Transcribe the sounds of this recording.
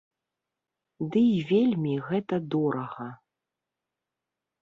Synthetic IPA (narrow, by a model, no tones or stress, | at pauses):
d̪ɨivʲelʲmʲiɣɛt̪ɐd̪ɔɾɐɣɐ